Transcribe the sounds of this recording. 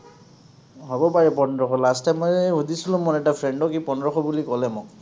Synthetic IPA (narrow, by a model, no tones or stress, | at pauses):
ɦɔbɔpaɹɛpɔndɹɔkʰɔlastamɔjɦudisilʊ̃mɔnɛtapʰɹɛɳɖɔk̬ipɔnɹɔxʰɔbulikɔlɛmʊk̚